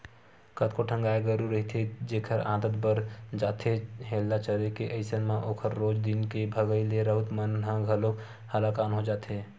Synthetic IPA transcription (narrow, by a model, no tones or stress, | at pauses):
kət̪koʈʰə̃ŋɡaːeɡəɾuɾɐɦit̪ʰed͡ʒeːkʰəɾã̰ːd̪ət̪bəɾd͡ʒaːt̪eɦeːlːat͡ʃəɾekeʔɐɪsənmãʔoːkʰəɾːoːd͡ʒd̪ɪnkebʱəɡəileɾəɦʊt̪mənɦə̃ɡʱɐloːk | həlakaːnɦod͡ʒaːt̪ɦeː